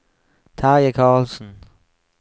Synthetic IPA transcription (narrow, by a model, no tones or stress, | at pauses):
tʰɑːjakʰɑːlsn̩